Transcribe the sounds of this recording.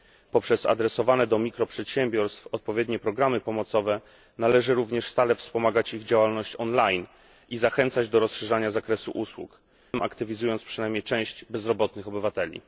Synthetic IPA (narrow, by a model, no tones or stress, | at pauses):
pɔpʂɛza̰d̪ɾɛsɔvanɛd̪ɔmʲikɾɔpʂɛt̪ɕɛmbʲjɔɾst̪fɔt̪̚pɔvʲjɛd̪ɲɛpɾɔɡɾamɘpɔmɔt̪sɔvɛ | nalɛʐɘɾuvɲɛʂst̪alɛfspɔmaɡat͡ɕiɣd͡ʑawalnɔɕt͡ɕɔnlajn | ʔizaxɛnt̪sad͡ʑd̪ɔɾɔsʂɛʐaɲazakɾɛsṵʔuswṵk | ma̰kt̪ɘvʲizujɔnt̪spʂɘnajmɲejt͡ʂɛ̃w̃ɕd͡ʑbɛzɾɔbɔt̪nɘxɔbɘvat̪ɛlʲḭ